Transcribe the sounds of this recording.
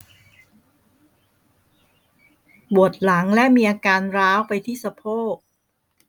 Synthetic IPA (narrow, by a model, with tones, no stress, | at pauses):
bu˨˩ət̪̚la˩˦ŋlɛ˦˥miː˧ʔaː˧kaː˧nɾaː˦˥wpa˧jt̪ʰiː˥˩sa˧pʰoː˥˩k̚